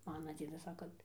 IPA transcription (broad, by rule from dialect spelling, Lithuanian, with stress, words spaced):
ˈmɑːnɐ ˈd͡zʲiɛdɐs ˈsɑːkɐ